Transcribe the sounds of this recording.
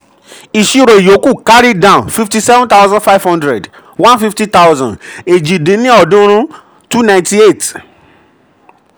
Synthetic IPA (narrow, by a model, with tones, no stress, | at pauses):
i˨ʃi˨˧ɾo˨i˨jo˨˦ku˦˨ka˦ɾi˦dã˦˨nfi˧fti˧sɛ˦vɔ̃˦nt̪a˦wzã˦nfa˦ɪvhɔ̃˦ndɾɛ˨d | wã˦nfi˦fti˦t̪a˦wzã̰˨de˨d͡ʒĩ˨dĩ˨˦nĩ˦ɔ˦˨dũ˦ɾ̃ũ˦ | tu˦nã˧ɪ̃nti˦e˦˨t